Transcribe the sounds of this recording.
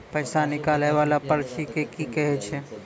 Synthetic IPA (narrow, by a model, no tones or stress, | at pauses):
pɐɪsanɪkaːleʋaːlapɐɾʃikekikɛɦet͡ʃʰe